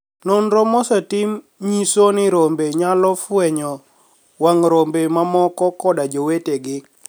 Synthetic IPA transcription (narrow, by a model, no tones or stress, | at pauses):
nonɾɔmɔsatim | ɲisonɪɾombeɲalɔfwɛɲɔ | waŋɾombemamɔkɔkɔdad͡ʒoweteɡɪ